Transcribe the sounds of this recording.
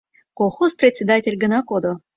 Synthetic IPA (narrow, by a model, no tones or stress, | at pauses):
koxozprʲet̪ʲsʲed̪atʲelʲɡə̆nɑkod̪o